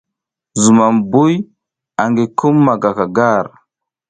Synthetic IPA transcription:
zu˨ma˨mbu˦j | a˨ŋɡe˨ku˦mːa˨ɡa˨ka˨ɡa˦˨ɾ

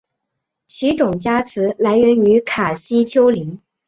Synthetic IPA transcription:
t͡ɕʰi˧˥ʈ͡ʂʊ˨˩ŋt͡ɕja˥t͡sʰɹ̩˧˥la˧˥ɪɥɛ˧˥ny˧˥kʰa˨˩ɕi˥t͡ɕʰjo˥ʊli˧˥ŋ

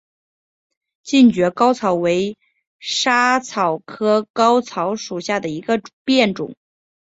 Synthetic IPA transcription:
t͡ɕi˥˩nt͡ɕɥɛ˧˥kɑ˥ʊt͡sʰɑ˨˩˥ʊwe˧˥ɪ | ʂa˥t͡sʰɑ˨˩ʊkʰɤ˥kɑ˥ʊt͡sʰɑ˧˥ʊʂu˨˩ɕja˥˩d̪ə˩i˧˥ɡə˧pjɛ˥˩nʈ͡ʂʊ̰˨˩˦ŋ

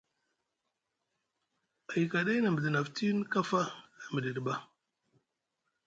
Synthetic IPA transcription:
a˨jka˨ɗa˦jna˨mə˨di˨na˨ftʰi˦n˦ka˦fa˦na˨mi˨di˨dba˦

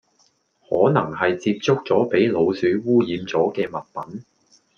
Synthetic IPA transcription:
hɔ̰ː˨˥nɐ˨˩ŋhɐ˨jt͡siː˧p̚t͡sʊ˥k̚t͡sɔː˨˥pe˨˥jlo˨˧wsyː˨˥wuː˥jiː˨˧mt͡sɔː˨˥kɛː˧mɐ˨t̚pɐ˨˥n

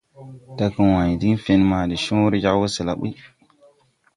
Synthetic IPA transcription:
ta˦kə˨˦wa˨ɲ˨di˦ŋfe˦nma˨di˨ʃõ˦wɾd͡ʒa˦kwə˦sə˨la˨ɓṵ˦

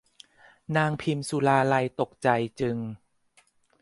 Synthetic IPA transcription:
naː˧ŋpʰi˧msuː˧laː˧la˧jt̪o˨˩k̚t͡ɕa˨˩jt͡ɕɯ˧ŋ

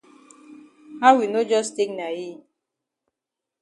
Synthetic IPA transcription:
ha˦wi˨no˦d͡ʒɔ˦ste˦k̚na˨ji˦˨

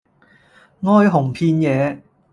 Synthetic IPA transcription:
ŋɔː˥jɦʊ˨˩ŋpʰiː˧njɛː˨˧

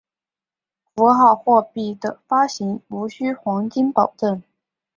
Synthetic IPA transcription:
fu˧˥xɑ˥˩ʊxwɔ˥˧pi˥˩d̪ə˩fa˥ɕi˧˥ŋu˧˥ɕy˥xwɑ˧˥ŋt͡ɕi˥npɑ˨˩ʊʈ͡ʂə˥˩n

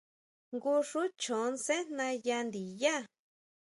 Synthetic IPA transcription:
ŋɡu˦ʂu˦t͡ʃõ˨˦nse˦n̥nã˧ja˧nd̪i˨ja˦˨

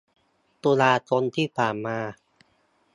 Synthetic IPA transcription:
t̪uː˧laː˧t͡ɕo˧nt̪ʰiː˥˩pʰaː˨˩nmaː˧

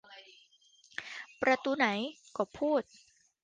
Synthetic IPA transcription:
pɾa˧t̪uː˧na˩˦jkɔː˨˩pʰuː˥˩t̪̚

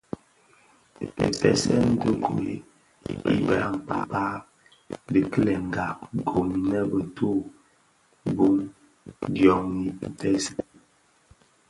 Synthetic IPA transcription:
pḛ˨pɛ̰˨sɛ˦n˦də˦ɡo˨ḭ˦ | ḭ˦ba̰˦˨a̰˦˨ŋ˨k͡pa̰˨pa˦ | di˨kə˦lɛ˨ŋ̩˨ɡa˨p̚ɡo˨mi˨nɛ˦bə˨tʰo˦˨ | bo˦ŋ | djɔ˨ŋi˦n̩˨tɛ˦si˨

